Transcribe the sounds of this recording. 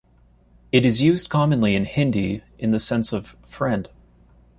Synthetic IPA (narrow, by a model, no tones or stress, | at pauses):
ɨɾɨzjʉzkʰɑmɨ̃nliɨ̃nhɪ̃ndiʔɨ̃nðɨsɛ̃nsʌv̥fɹɛ̃nd̥